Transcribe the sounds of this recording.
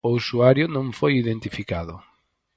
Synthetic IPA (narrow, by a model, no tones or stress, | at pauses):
ousuaɾjʊnõŋfojiðent̪ifikaðʊ